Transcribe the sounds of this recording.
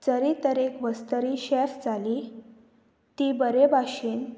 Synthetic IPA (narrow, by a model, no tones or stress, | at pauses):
d͡zəɾit̪əɾekʋəst̪əɾiːɕɛfd͡zʱali | t̪ibəɾebʱaɕiːn